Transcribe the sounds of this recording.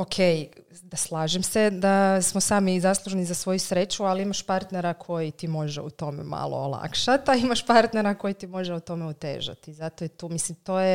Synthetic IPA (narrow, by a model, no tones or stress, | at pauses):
okʰej | d̪aslˠaːʒemsed̪asmosaːmizaslˠuʒenizasʋo̞jusɾet͡ɕualimaʃpaɾt̪neɾakʰo̞jit̪imo̞ʒeut̪o̞mḛma̰lˠo̰ːlˠa̰kʃat̪aimaʃpaɾt̪neɾako̞jit̪imo̞ʒeut̪o̞meut̪ḛːʒa̰t̪izat̪ojet̪uːmislimt̪o̞ːje